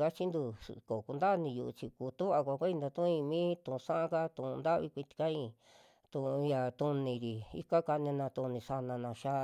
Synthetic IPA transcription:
ka˦t͡ʃi˦nd̪ṵ˧ko˨ku˧nd̪a˦˨˧nĩ˧jṵ˧ʔṵ˧t͡ʃi˧ku˧t̪u˦βa˧kʷa˧kʷa˦i˧d̪a˧t̪ũ˦ĩ˧mĩː˦t̪ũ˧˨˧ʂã˦ʔã˦ka˦t̪ũ˧˨ũ˧nd̪a˦ʔβi˧kʷi˧t̪i̥˧kã˦ĩ˧ | t̪ũ˧˨˧ja˧˨t̪ũ˧nĩ˧ɾi˨ḭ˧ka˦ka˧nĩ˧nã˧t̪ũ˧nĩ˧sa˧nã˧nã˧ʃa˦

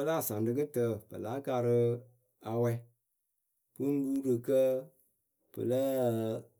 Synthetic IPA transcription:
ə˦la˦˨sa˨ndɨ˦kɨ˦tə˦˨pə̰˨la˨˦ka˧ɾə˦ | a˨wɛ˦ | pɨ˦n˦lu˦ɾə˨kə˦ | pə̰˨lə˦˨

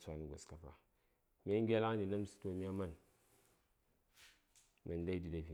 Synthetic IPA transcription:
sʷa˦n˨ɡʷo̰˨ska˨pa̰˨ | mi˦a˦ŋ˦ɡʲe˦la˦ni˨na˦m˦si̥˦to˦mi˦a˦ma˦˨n | ma˨n˦da˦i˦di˨da˨fi˨

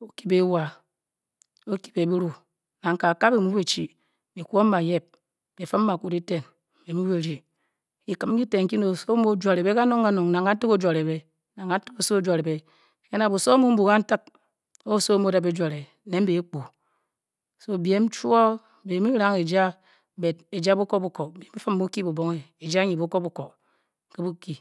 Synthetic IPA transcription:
o˦ki˦be˨˦wa˨ | o˦ki̥˨be˨bi˦ɾu˦ | na˨ŋ̩˨ka˨ka˦be˨mu˦be˨t͡ʃi˨ | be˨kʷo˦ma˨je˦p̚ | be˨fɨ˦m̩ː˦a˨ku˦di˦te˦n˨ | be˨mu˦be˨ɾi˨ | ki˨kɨ˨m˦ki˦te˨ŋ̩˦ki˦no˨so˦mo˦d͡ʒʷa˨ɾe˨be˦ka˦no˦ŋka˦no˨ŋna˨ŋka˦n̩˦ti˦ko˦d͡ʒwa˨ɾe˨be˦ | na˨ŋa˦n̩˦tɨ̥˦ko˨so˦o˦d͡ʒwa˨ɾe˨be˨ | ke˦na˨bu˨so˦mu˦m̩˦bu˨ka˦n̩˦tɨ˦k̚ | o˦˨so˦mo˦da˨be˦d͡ʒʷa˨ɾe˨ | ne˦m̩˦be˨e˦k͡pu˨ | so˦˨bje˨˦m̩˦t͡ʃu˦ɔ˦˨ | be˨˦mi˦ɾa˦ŋe˨d͡ʒa˦ | be˨de˨d͡ʒa˦bu˦ko˦bu˨˦ko˨be˨m˦i˦fɨ˦m̩ː˦u˦ki˦bu˨bo˦ŋe˨e˨d͡ʒa˦ɲi˨bu˦ko˦bu˨ko˨ | ke˦bu˦ki˦

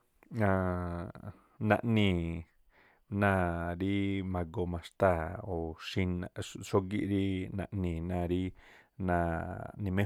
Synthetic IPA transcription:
ã˧ | nã̰˧ʔnĩ˧˨ | nã˦˧ɾi˦mã˧ɡo˧mã˨ʂt̪a˦˨o˨ʃĩ˧na˧ʃo˦ɡi˦ʔɾi˦nã̰˧ʔnĩ˧˨nã˧ɾi˦nã˧nĩ˧mẽ˦

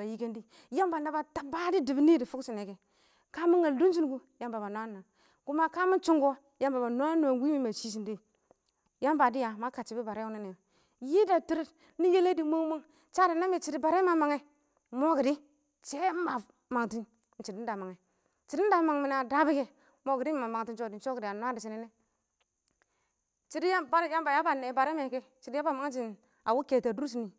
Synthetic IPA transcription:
ba˨ji˦ke˦ndi˦ | ja˦mba˨nda˨ba˨ta˦ba˦di˦di˨bi˦ni˦di˨fu˦ksi˨ne˨ɡe˨ | ka˦mi˦ŋa˨du˦nd͡ʒi˦n˦ɡu˦ja˨mba˨ba˨n˨a˦na˨ | ɡu˦ma˦ka˦mi˦nt͡ʃu˦ŋɡo˦ | ja˨˦mba˨ba˨na˦no˨wi˦i˦ma˨t͡ʃi˦s̬i˨ndi˦˨ | ja˦mba˨di˦ja˨ma˦ka˨t͡ʃi˨bi˦ba˨ɾe˦u˦ni˦ne˨jo˨ | ji˦da˨ti˦ɾi˦t | ni˦je˦le˦di˨mo˦ŋ˦mo˦ŋ | t͡ʃa˦da˨na˦mi˦t͡ʃi˨di˦ba˨ɾe˦ma˨ma˨ŋe˦ | mo˦ki˨di˦ | t͡ʃe˦ba˨ | ma˨ŋti˦n | n̩˨t͡ʃi˨di˦da˨ma˨ŋe˨˦ | t͡ʃi˨di˦da˨ma˨ŋmi˨n˨a˨da˦bi˦ke˦ | mo˦ɡi˨di˦m˨ma˨ma˨ŋ˨ti˦nt͡ʃo˦˨di˨˦t͡ʃo˦ki˨a˨nʷ˦a˦di˨t͡ʃi˦ni˦ne˦ | t͡ʃi˦di˦ja˦ba˦ɾja˦mba˨ja˦ba˨ne˨ba˨ɾe˦me˨ke˦ | t͡ʃi˨di˦ja˦ba˨ma˨˦ŋe˦t͡ʃ̬i˦˨n | a˨wu˦ke˨ta˨du˦ɾu˦s̬ni˨

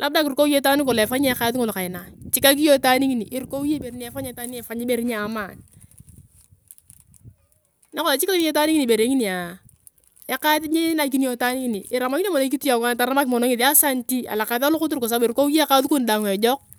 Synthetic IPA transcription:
lʔa˦b̚da˦ki˨ɾko˦je˦ta˦ni˦kɔ˨lɛ˨fa˦ɲe˦kaː˦tŋo˦lka˨ɪ˨na˨t͡ʃi˦ka˦k̬i˦jo˦ta˦ni˦ŋi˦ni˨ʔɪ˨ɾko˦wje˦be˨ɾi˦ni˦a˦fa˦ɲe˦ta˦ni˦ɛ˨fa˨˦ɲe˦be˨ɾi˦ɲe˦a˨maː˨n | na˦kɔ˦la˨t͡ʃi˦ka˦ki˦jo˦ta˦ni˦ŋi˦i˨be˨ɾe˨˦ŋi˦ni˨a˨ | ɛ˨˦ka˦tɲe˦na˨k̬i˦ni˦o˨ta˦ni˦ŋi˦ni˨ʔɪ˨ɾa˨ma˦ŋi˦n˦mɔ˨no˦ki˦tu˦ja˨ŋa˦˨ta˨ɾa˦ma˦kmɔ˨no˦ŋɪ˨ta˦sa˦n˦ti˦a̰˨la˨ka˨ta˦lʊ˦kʊ˦t̬i˦ɾko˨s̬a˦bɾko˦wje˦ka˦tu˦ku˦n˨da˨ŋe˨d͡ʒɔ˦k̚

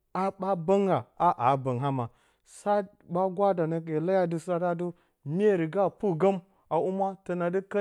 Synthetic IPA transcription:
a˨ba˦ba˦ŋɡa˨a˦ʔa˨˦ba˨ŋɦa˦ma˨ | sa˦ | ba˦ɡwa˦da˨na˨ke˨la˦ja˦du˨sa˦da˦du˦ | mi˦e˦˨ɾi˨ɡa˦pu˦ɡa˦m | a˨u˦ma˦tə˨na˨di˦ka˦

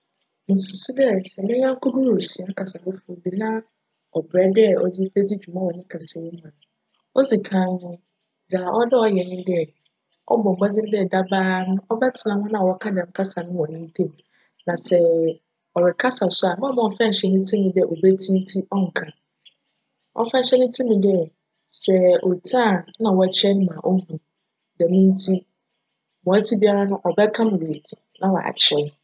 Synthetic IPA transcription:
ñ̩˨su˨su˦dɛ˦sɛ˨mɪ̃˦ɲã˦ŋ̩˦kʰʊ˦du˦˨o˨si˨ã˦kʰa˨sa˨nɪ˦fʊ˨˦o˨bi˨nã˦ | ɔ˨bɾɛ˦dɛ˦ɔ̰˨d͡zi˦pʰe˦d͡zi˦d͡ʑᶣu˨mã˦wɔ̃˨nɪ̃˦kʰa˨sɛ˨ji˦mã˨ | ɔ˦d͡zi˨kʰã˦nʊ̃˦˨ | d͡za˨ʔɔ˦dɪ˦ɔ˦jɛ˨ɲɪ̃˦dɛ˦˨ | ɔ̰˦bɔ̃˨m̩˨bɔ˦d͡zɪ̃˦n˦dɛ˦˨da˦baː˦nʊ̃˦ɔ˦bɛ˦tʰɪ˨nã˨˦nʊ̃˦nã˦˨wɔ˦kʰa˦dã˨m̩˦kʰa˦sa˨nʊ̃˦wɔ̃˨nɪ̃˦n̩˦tʰẽ˦˨m˨ | nã˨sɛ˨ | ɔ˨ɾɪ˨kʰa˦sa˨sʊ˦a˨mã˦mã˨ɔ˨fɛ̃˦˨ɕɛ˦nʊ̃˦tʰĩ˦mĩ˨dɛ˦˨ʔo˨bɛ˦tʰĩ˦n˦tʰi˦ɔ˦ŋ̩˨kʰa˨ | ʔɔ̰˦fɛ̃˦˨ɕɛ˦nʊ̃˦tʰĩ˦mĩ˨dɛ˦ | sɛ˨o˨tʰã˦˨nã˨wɔ˨t͡ɕʰɛ˦nʊ̃˦mã˨ʔɔ˦hũ˨ | dɛ˨mĩ˦n̩˦tʰi˦ | mɔ̃˨æ˦tʰi˦bi˦a˦ɾa˦nʊ̃˦ʔɔ˨bɛ˦kʰã˦mʊ̃˨we˨tʰi˨nã˨wɔ˨a̰˨t͡ɕʰɛ˦˨

